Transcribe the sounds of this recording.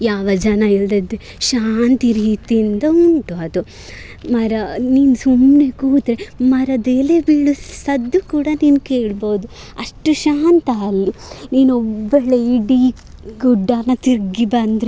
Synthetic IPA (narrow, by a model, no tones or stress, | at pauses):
jaːʋɐd͡ʒɐnɐild̪ɐd̪e | ʃaːnt̪iɾiːt̪ijind̪ɐuɳʈuɐd̪u | mɐɾɐniːnsumnekuːt̪ɾemɐɾɐd̪eːlebiɭːusɐd̪ːukuːɽɐniːnkeːɭboːd̪u | ɐʂʈuʃaːnt̪aɐlːiniːnɔbːɐɭeiɖi | ɡuɖːaːnɐt̪iɾɡibɐnd̪ɾe